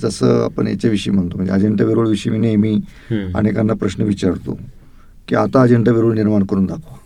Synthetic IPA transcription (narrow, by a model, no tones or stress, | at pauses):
d͡zəsəːa̰pəɳjḛt͡ɕaʋiʂəijm̤əɳt̪om̤əɳd͡zḛad͡ʑeɳʈaʋiɾoːɭʋiʂəiminemiː | a̰niekanːapɾəɕnəʋit͡ɕaɾt̪o̰ | kiat̪aːd͡ʑeɳʈaʋiɾuːɭniɾmaɳkəɾuːnd̪akʰʋa